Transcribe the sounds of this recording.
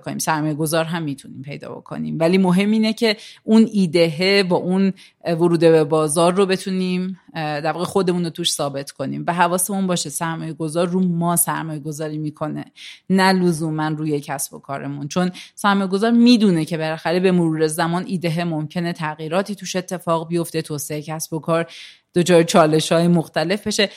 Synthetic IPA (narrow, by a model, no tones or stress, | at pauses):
konḭːmsæɾmɒːje̞ɡo̞zɒːɾɦæmːiːt̪ʰuniːmpʰe̞jd̪ɒ̰ːbo̞̰kʰo̞̰nḭːmvæliːmo̞ɦe̞mːiːne̞cʰe̞ʔuniːd̪eɦebɒːʔun | voɾuːd̪e̞bebɒːzɒːɾːo̞be̞t̪ʰuniːmd̪æɾvɒːɣexo̞d̪e̞muːnot̪uʃsɒːbe̞t̪ʰkʰo̞nḭːmvæɦævɒːse̞munbɒːʃesæɾmɒːje̞ɡo̞zɒːɾːumɒːsæɾmɒːje̞ɡo̞zɒːɾiːmiːkʰo̞ne̞̰nælozuːmænruːje̞cʰæsbo̞̰kʰɒ̰ːɾe̞̰munt͡ʃʰo̞nsæɾmɒːjeɡo̞zɒːɾmiːd̪uːnecʰe̞belæxæɾe̞be̞moɾuːɾezæmɒːnʔiːd̪eɦemo̞mcʰe̞ne̞t̪ʰæɣiːɾɒːt̪ʰiːt̪ʰuːʃe̞t̪ʰːe̞fɒːɣbijo̞ft̪e̞t̪ʰoːseejcʰæsb̥o̞kʰɒːɾ | d̪̥od͡ʒʰɒːjt͡ʃʰɒːle̞ʃhɒːjemoxt̪æle̞fbe̞ʃe̞